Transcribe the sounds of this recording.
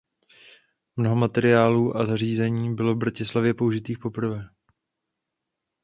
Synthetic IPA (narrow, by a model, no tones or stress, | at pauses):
mno̞ɦo̞mat̪ɛɾɪaːluːʔazariːzɛɲiːbɪlo̞vbɾacɪslavjɛpouʒɪt̪iːxpo̞pr̩vɛː